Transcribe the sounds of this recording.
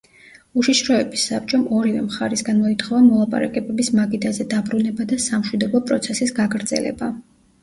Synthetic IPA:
uʃiʃɾɔɛbisːap̚t͡ʃʼɔmɔɾivɛ̰mχaɾisɡanmɔit̪ʰχɔvamɔlˠapʼa̰ɾa̰kʼɛbɛbismaɡid̪azɛd̪abɾunɛbad̪asamʃwid̪ɔbɔpʼɾɔ̰t̪sʰɛsisɡaɡɾd̪z̥ɛ̰lɛ̰ba

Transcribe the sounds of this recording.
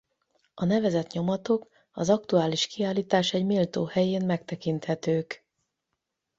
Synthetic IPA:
ɒnɛvɛzɛt̪ɲo̞mɒt̪o̞k | ɒzɒkt̪uaːliʃkiaːlːiːt̪aːʃɛɟmiːlt̪oːhɛjeːnmɛkt̪ɛkint̪hɛt̪øːk

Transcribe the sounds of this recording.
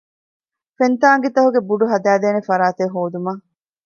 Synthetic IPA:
fent̪aːŋɡet̪ɐɦuɡebuɖuɦɐd̪æːd̪eːnefɐɾaːt̪eɦoːd̪umɐː

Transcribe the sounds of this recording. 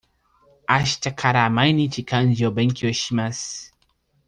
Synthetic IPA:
aʃtakʰaɾamajnit͡ʃikand͡ʒiobeŋkioʃimas

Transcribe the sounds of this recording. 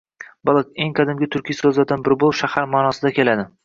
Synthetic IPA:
bɒlˠɪkʲe̞ŋqʰɑd̪ɪmɡʲɪt̪ʰʊɾkʲʰijsɵzlaɾd̪anbɪɾbolˠʃahaɾmɒːnɒsɪd̪akʲʰe̞lad̪ɪ

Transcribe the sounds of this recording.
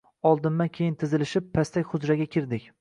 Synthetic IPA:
ɒlˠd̪ɪnːankʲʰejɪnt̪ʰɪzɪlɪʃɪpʰːast̪ʰakʲχʊzɾaɡʲakʲʰɪɾd̪ɪkʲ

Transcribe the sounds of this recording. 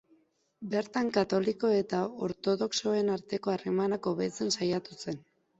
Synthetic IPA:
be̞ɾt̪aŋkat̪o̞liko̞e̞t̪ao̞ɾt̪o̞ðo̞kso̞e̞naɾt̪e̞ko̞aremanako̞βe̞t͡se̞nsajat̪use̞n

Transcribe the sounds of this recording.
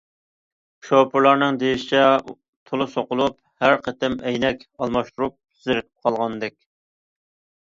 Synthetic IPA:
ʃopʰʊɾlˠɑɾnɨŋd̪ejiʃi̥t͡ʃʰɛ | t̪ʰolˠɨsoqʊlˠup | hæɾqʰət̪ɪmɛjnɛkʲɑlˠmɑʃt̪uɾup̚ | zɪɾɪk̪ʰɪ̥p̚qʰɑlˠʁɑnd̪ɛkʲ

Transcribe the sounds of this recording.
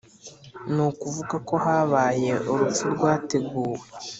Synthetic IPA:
nuːkuvuɡako̞haːβaːje̞uɾup͡fuɾɡwaːte̞ɡuːwe

